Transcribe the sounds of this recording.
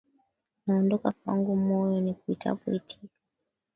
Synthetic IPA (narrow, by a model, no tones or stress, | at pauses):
naɔndɔkakwa̰ŋɡumɔjɔnikuitʰa̰kuitʰikḁ